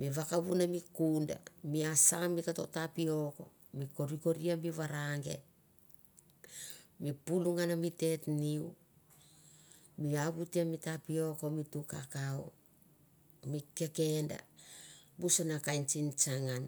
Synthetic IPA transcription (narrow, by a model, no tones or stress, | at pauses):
miβakaβunamikunda̰miasamikato̞̰tapio̞ko̞ | miko̞ɾiko̞ɾiamiβaɾaŋɡe̞̰ | mipuluŋanamite̞tniu | miaβutiamitapio̞ko̞mitukakao | mike̞ke̞nda̰ | busanakajnt͡ʃint͡ʃaŋan